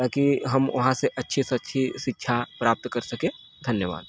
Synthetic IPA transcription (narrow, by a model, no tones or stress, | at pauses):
t̪aːkiɦɐmʋɐ̰ɦãseʔɐtːʃʰisɐtːʃʰiʃɪkːʃʰapɾaːp̚t̪kɐɾsɐkẽ | d̪ʱɐnjəʋa̰ːd̪̚